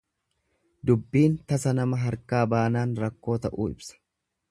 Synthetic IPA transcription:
d̪ʊbːiːnt̪ɐsɐnɐmɐɦɐɾkaːbaːnaːnɾɐkːo̞ːt̪ɐʔṵːɪ̰bsɐ̥

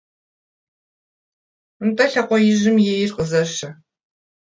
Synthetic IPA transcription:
mtʼɐɬɐqʷɔjɪʒɪmjɛjɪrqʼəzɐɕɐ

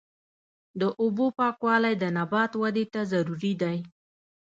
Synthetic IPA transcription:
d̪əʔʊbopɑkwɑlajd̪ənabɑt̪wad̪et̪azaɾuɾid̪aj

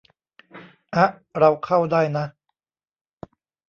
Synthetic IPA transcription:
aʔɽawqʰawd̪ajna

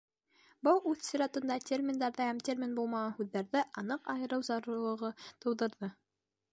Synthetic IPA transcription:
bɤwʉθsʲiɾɑt̪ɤ̆nd̪ɑtʲermʲɪnd̪ɑɾðɤhæmtʲermʲinbulˠmɑʁɑnhʉðːæɾðɘʔɑnɤqɑjɤ̆ɾɤwzɑɾŭlˠɤ̆ʁɤt̪ɤ̆wðɤ̆ɾðɤ

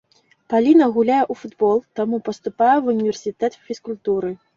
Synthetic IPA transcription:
palʲinɐɣulʲajɛʔufud̪bɔlˠt̪amupɐst̪upajɛvunʲivʲɛrsʲit̪ɛt̪fʲiskulʲt̪uɾɨ

